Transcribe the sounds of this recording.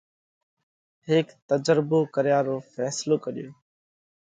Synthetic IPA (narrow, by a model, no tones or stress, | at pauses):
ɦɪːkt̪əd͡ʒɾɪboːkəɾɪjaːɾoːfɛːsloːkəɗɪjoː